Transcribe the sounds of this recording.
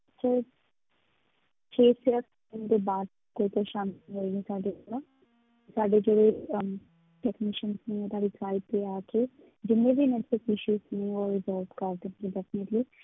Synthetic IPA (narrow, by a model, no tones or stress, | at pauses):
ət͡ʃʰaː | t͡ʃʰeːseək | kəɳd̪eːbaːd̪̚ | koːit̪oʃaːmĩːɦoːiɡɛsaːɖea | saːɖeːd͡ʒeːɽe | ʈɛːknɪʃənsnĩɛ̃t̪aːɖisaːɪpːeaːkeː | d͡ʒɪnːẽːbiːnɛsɪsɪʃuːsnẽːɔːɾɪzəlkəɾd̪ekɡĩːɖɛːfnəʈliː